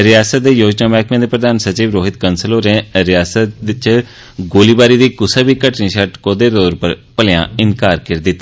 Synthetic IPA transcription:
ɾɪjaːsət̪̚d̪eːjoːd͡ʒnaːmɛːkmẽːd̪eːpɾəd̪aːnsət͡ʃiːʋɾoːɦɪt̪kənsəloːɾẽːɾɪjaːsət̪t͡ʃ | ɡoːliːbaːɾiːd̪iːkʊsaːbiːkəʈnĩːʃəʈkoːd̪eːɾoːɾpəpəljã̰ːɪnkaːɾkɪɾd̪ɪt̪ːa

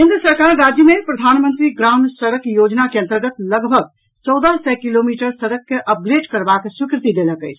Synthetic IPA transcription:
ɦɪ̃nd̪ɾəsəɾkaɾːad͡ʒjəmepɾəd̪ʱanmənt̪ɾiɡɾansəɾəkjod͡ʒnakeə̃nt̪əɾɡət̪ləɡbʱəɡ̚ | t͡ʃɔwd̪asɛkilomiʈəɾsəɾəkːeʔəp̚ɡɾeɖkəɾbaksukɾɪt̪id̪eləkəɪt͡ʃʰ

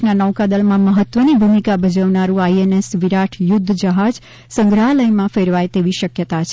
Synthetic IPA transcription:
nanəʋkad̪əlmãməɦət̪ːʋənibʱumikabʱəd͡ʒaʋnaɾũaienesʋiɾaʈʰjʊd̪ʱːd͡ʒəɦad͡ʒ | sə̃ŋɡɾaləjmãfeɾʋajt̪eʋiʃəkjət̪at͡ʃʰ

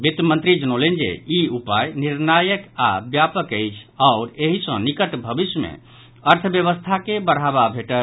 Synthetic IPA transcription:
bit̪mə̃nt̪ɾid͡ʒənolend͡ʒḛiupajniɾnajəka̰bjapəkəjt͡ʃʰaʊɾeɦisə̃nikəʈbʱəbisjəmḛ̃ | əɾt̪ʰəbjəβəst̪ʰakebəɾɦababʱeʈə

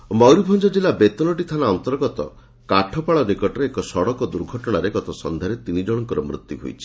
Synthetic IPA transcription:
mɔwɾibʱɔnd͡ʒɔd͡ʒilabet̪ɔnɔʈit̪ʰanaɔnt̪ɔɾɡɔt̪ɔ̰ | kaʈʰɔpaɭɔnikɔʈɔɾeekɔsɔɽɔkɔd̪uɾɡʱɔʈɔɽ̃aɾeɡɔt̪ɔsɔnd̪ʱaɾet̪inid͡ʒɔɽ̃ɔŋkɔɾɔmɾṵt̪juɦṵjt͡ʃʰi̥

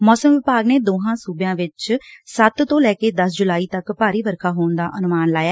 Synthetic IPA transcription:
mɔːsəmʋɪpaːɡneːd̪oːɦãːsuːbjãːʋɪt͡ʃsət̪t̪õːlɛːkeːd̪əsd͡ʒʊlaːiːt̪əkpaːɾiːʋəɾkʰaːɦoːnd̪aːʔənʊmaːnlaːjaː

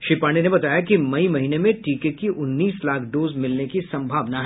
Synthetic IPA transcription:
ʃipaːɳ̃enebɐt̪aːjakimɐimɐɦiːnemẽʈiːkekiʔʊnːiːslaːkʰɖoːzmɪlnekisɐ̃mbʱaːʋnaɦɛ

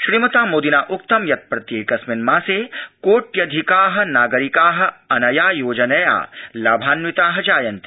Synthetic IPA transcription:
ʃɾiːmɐt̪aːmoːd̪inaːʔʊk̚t̪ɐmjɐt̪̚pɾɐt̪jeːkɐsmɪnmãːseːkoːʈjɐd̪ʱikaːɦɐ̆naːɡɐɾikaːɦɐ̆ɐnɐjaːjoːd͡ʒɐnɐja̰ːlaːbʱaːnʋit̪aːɦɐd͡ʒaːjɐnt̪i̥

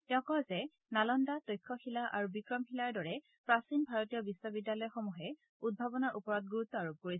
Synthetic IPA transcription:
tɛʊ̃kɔzɛ | nalɔndatojkʰːɔxilaʔa̰ɹubikɹɔmxilaɹdɔɹɛ | pɹasinbʱaɹɔtijɔbiswɔbidːjalɔjɔxɔmuɦɛ | ud̚bʱabɔnaɹʔupɔɹɔt̚ɡuɹut̪ːɔaɹub̚koɹisɛ

